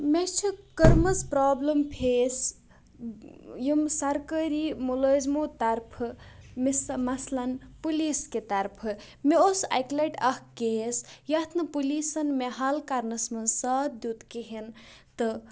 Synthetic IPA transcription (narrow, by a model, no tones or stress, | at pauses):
met͡ʃʰikəɾmɐspɾaːblɐmpʰes | jimsɐɾkəɾimuləzmot̪ɐɾpʰmesmɐslɐnpulisket̪ɐɾpʰɨ | meosa̰jklɐʈɐhkesjɐt̪ʰnɐpulisɐnmeɦalkaɾnɐsmɐnsɐd̪jut̪keɦint̪ɨ